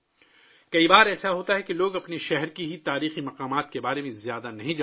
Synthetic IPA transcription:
kɐibaːɾɛːsaɦoːt̪aɦɛkeloːɡɐpneʃɛɦɛɾkiɦit̪aːɾiːximɐqaːmaːt̪̚kebaːɾemẽzjaːd̪anɐɦĩd͡ʒ

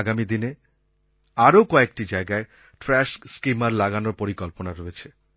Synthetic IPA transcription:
ɡamid̪ine | aɾokɔek̚ʈid͡ʑaeɡae | ʈɾɛʃskimaɾlaɡanoɾpoɾikolponaɾoet͡ɕʰe

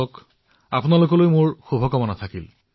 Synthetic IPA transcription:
ɔk | a̰punalokɔlojmʊɹxobʱɔkɔmɔnat̪ʰakil

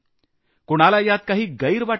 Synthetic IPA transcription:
koɽ̃alajat̪̚kaɦiːɡəjɾʋaʈ

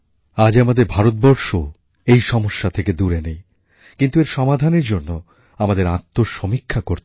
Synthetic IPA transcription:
ad͡ʑamad̪eɾbʱaɾot̪̚bɔɾʃo | ejʃɔmoʃːat̪ʰeked̪uɾenej | kint̪ueɾʃɔmad̪ʱaneɾd͡ʑonːo | amad̪eɾat̪ːoɾʃomikʰːakoɾ

